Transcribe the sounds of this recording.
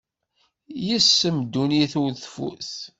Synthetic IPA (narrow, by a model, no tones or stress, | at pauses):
jəsːəmd̪uniθuɾθfṵθ